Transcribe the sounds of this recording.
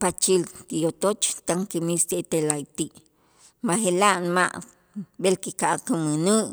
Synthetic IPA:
pat͡ʃilt̪ijot̪ot͡ʃt̪aŋkimist̪et̪elajt̪iʔ | maxelaʔnma̰ʔ | ɓelkikaʔkuminuʔ

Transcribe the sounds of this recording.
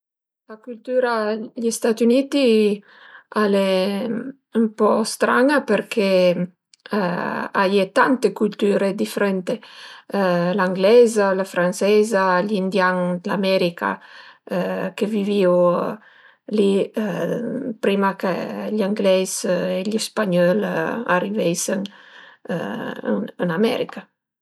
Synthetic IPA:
lakylt̪yɾaʎist̪at̪ynit̪i | ale | umpɔst̪ɾaŋapeɾkʰe | a̰jet̪ant̪ekult̪yːɾed̪ifeɾɛnt̪e | laŋɡlɛzalafɾant͡ʃɛzaʎind̪jaŋd̪lamɛɾika̰ | keviviw | li | pɾimakḛʎaŋɡlɛzeʎispaɲɔla̰rivɛsen̰ | ənamɛ̰ɾika

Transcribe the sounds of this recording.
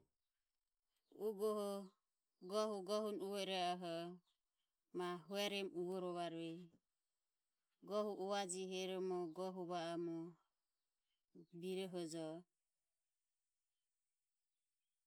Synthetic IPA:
uɡɔɦɔ | ɡɔɦuɡɔɦunuwɔɾɛɔɦɔ | maɦuɛɾɛmuɡɔɾɔβaɾuɛ | ɡɔɦuʔuad͡ʒiɦɛɾɔmɔɡɔɦuβaamɔ | biɾɔɦɔd͡ʒɔ

